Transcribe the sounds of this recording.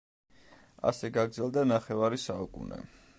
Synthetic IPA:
a̰sɛɡaɡɾd̪zɛlˠd̪anaχɛvaɾisaukʼṵnɛ̰

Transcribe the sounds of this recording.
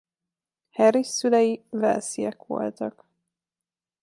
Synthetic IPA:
hɛɾisylɛjivɛ̰lsijɛkʋo̞̰lt̪ɒk

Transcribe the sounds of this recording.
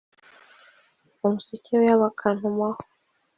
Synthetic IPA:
umusiciejaβakʰan̥umwaho

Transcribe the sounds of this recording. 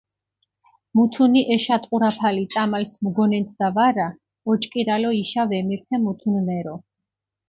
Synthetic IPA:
mut̪ʰuniʔɛʃat̪ʼqʼuɾapʰalit̪sʼamalsmɡɔnɛnt̪ʰd̪avaɾa | ɔt͡ʃʼkʼiɾalɔiʃavɛmiɾt̪ʰɛmut̪ʰunnɛɾɔ

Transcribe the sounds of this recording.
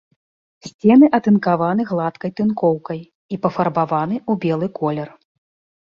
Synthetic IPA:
sʲt͡sʲɛnɨʔɐt̪ɨnkavanɨɣlˠat̪kɐjt̪ɨnkɔwkɐj | ipɐfɐrbavanɨubʲɛlˠɨkɔlʲɛr

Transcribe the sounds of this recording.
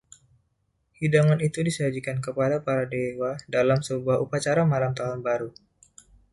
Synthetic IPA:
hidaŋanit̪udisəad͡ʒikankəpadapaɾadewadalamsəbuahupat͡ʃaɾamalamt̪aɦʊnbaɾu

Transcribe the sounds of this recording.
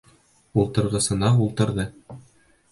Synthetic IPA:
ulˠt̪ɤ̆ɾʁɤ̆sɤ̆nɑulˠt̪ɤ̆ɾðɤ

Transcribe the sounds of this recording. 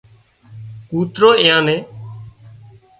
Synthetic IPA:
kuːt̪ɾoːɪːãːnẽː

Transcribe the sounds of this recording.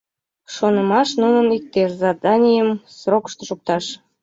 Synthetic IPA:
ʃonə̆mɑʃnunə̆nik̚t̪erzɑd̪ɑnʲijəmsrokə̥ʃt̪oʃuk̚t̪ɑʃ

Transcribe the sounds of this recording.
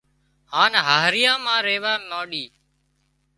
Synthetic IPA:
haːnɦaːɦɾɪjãːmãːɾeːʋaːnoːɗiː

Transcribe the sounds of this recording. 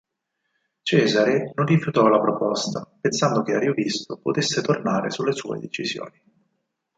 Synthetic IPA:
t͡ʃɛːzaɾenonrifjut̪ɔlapɾopɔst̪apensand̪ok̟eaɾiovist̪opot̪esːet̪ornaːɾḛsulːesṵːḛd̪et͡ʃizjo̰ːni

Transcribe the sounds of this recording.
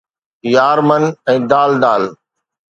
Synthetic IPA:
jaːɾmənɛ̃ːd̪aːld̪aːl

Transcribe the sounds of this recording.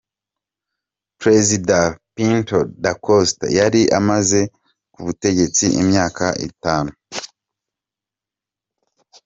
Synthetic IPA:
pɾe̞zidapintodakʰosta̰jaɾiʔamaze̞ | kuβute̞ɟe̞t͡siʔimɲaːkaʔḭtaːnu

